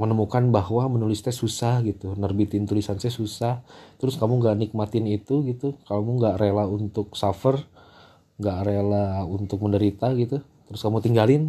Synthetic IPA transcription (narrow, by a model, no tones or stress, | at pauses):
mənəmukanbaɦwamənulɪst̪ɛsusahɡit̪unərbit̪ɪnt̪ulisansɛsusaht̪əɾʊskamuŋɡaʔnik̚mat̪ɪnit̪uɡit̪ukamuŋɡaʔrelaunt̪ʊksafər | ŋɡaʔrelaunt̪ʊk̚məndəɾit̪aɡit̪ut̪əɾʊskamut̪iŋɡalɪn